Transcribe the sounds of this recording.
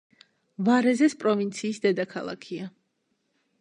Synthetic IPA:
vaɾɛzɛspʼɾɔvint̪sʰiːsd̪ɛd̪akʰalˠa̰kʰia

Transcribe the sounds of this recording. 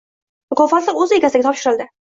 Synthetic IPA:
kʰɒfanlɪɾɵzɪeɡʲasɪd̪ɡʲat̪ʰɒpʃɪɾɪlˠd̪ɪ

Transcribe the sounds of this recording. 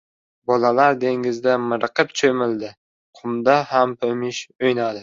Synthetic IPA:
bɒlalaɾd̪e̞ŋɪzd̪amɪɾqʰɨpt͡ʃʰomɪld̪ɪ | qʰʊmd̪aɦampʰɵmɪʃojnad̪ɪ

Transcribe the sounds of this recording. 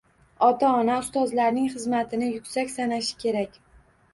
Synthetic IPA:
ɒt̪ʰaɒnaʊst̪ɒzlaɾnɪŋχɨzmat̪ʰɪnɪjʊkʲsakʲsanaʃɪ̥kʲʰe̞ɾakʲ

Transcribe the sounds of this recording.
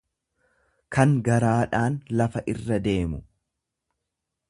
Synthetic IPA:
kɐŋɡɐɾaːᶑaːnlɐfɐʔɪrːɐd̪e̞ːmʊ

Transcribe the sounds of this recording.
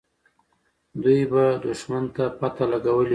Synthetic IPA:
d̪ujbad̪uʃmant̪apat̪alaɡawəl

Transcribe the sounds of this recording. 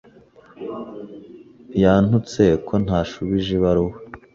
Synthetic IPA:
jaːn̥hut͡se̞kʰo̞n̥haːʃuβiʒeβaɾuwe

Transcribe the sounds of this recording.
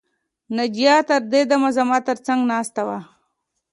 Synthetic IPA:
nad͡ʒijɑt̪əɾd̪ed̪amazamat̪əɾt͡saŋɡnɑːst̪awa

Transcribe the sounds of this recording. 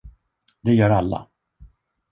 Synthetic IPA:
d̪ɛjœːɾalːa̰

